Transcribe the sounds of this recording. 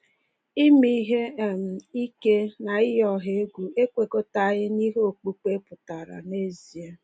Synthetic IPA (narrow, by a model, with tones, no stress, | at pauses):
i˦mi˦ɦe˦˨m̩˨i˦ke˦na˨ɪ˦ɦɔ˦ɦe˨˦e˦ɡʷu˨e˦kʷe˨ko˦ta˦ɣɪ˦ni˦ɦo˨k͡pu˦k͡pe˦pʊ˨ta˨ɾa̰˨ne˦zi˨e˦